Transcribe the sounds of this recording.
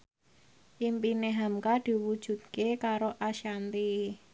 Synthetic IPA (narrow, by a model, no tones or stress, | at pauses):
ʔimpineɦamkad̪̥i̤wud̥ʒ̥ṳt̪̚kekaɾoʔaʃant̪i